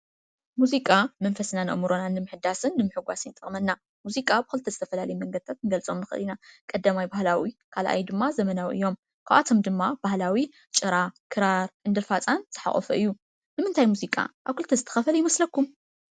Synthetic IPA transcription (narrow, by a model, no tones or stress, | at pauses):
muzikʼamɐnfɐsnanɐ̰ʔmuɾonanːɨmɨħɨd̪asɨnːɨmɨħɨɡʷasɨnt̪ʼɨχʼmɐnːa | muzikʼabɨxɨlt̪ʰɐzɨt̪ʰɐfɐlalɐjmɐŋɡɐd̪ɨt̪ʰat̪nɨɡɐlt͡sʼo̞mnɨxɨ̰linakʼɐd̪ːamajbahlawikʰalʔa̰jd̪ɨmːazɐmɐnawʔɨ̰jo̞m | kʰaβʔa̰t̪ʰo̞md̪ɨmːab̥ahlawi | t͡ʃʼɨɾakʰɨɾaɾʔɨnd̪ɨɾfat͡sʼanz̥ɨħa̰χʼɔ̰fɐʔɨjːu | nɨmɨnt̪ʰajmuzikʼa̰ʔaβkʰɨlt̪ʰɐzɨt̪ʰɐ̥xɐfɐljɪmɐslɐkːum